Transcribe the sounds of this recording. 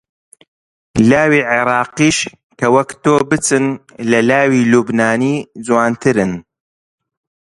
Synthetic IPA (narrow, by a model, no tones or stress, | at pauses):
laːwiːʕɪɾˤɑːqiːʃ | kɐwɐkt̪oːbɨt͡sɨn | lɐlaːwiːlubnaːniːd͡zwaːnt̪ʰɨɾɨn